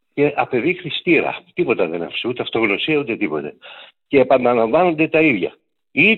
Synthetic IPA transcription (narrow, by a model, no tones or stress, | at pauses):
ce̞ʔɐpe̞ðixɾist̪iɾɐ̰t̪ipo̞t̪ɐðenɐ̰fseut̪eɐft̪o̞ɣno̞siɐut̪e̞t̪ipo̞t̪e̞̰ | ceːpɐnd̪ɐlɐɱvɐno̞nd̪e̞t̪ɐiðʝɐ̰ | i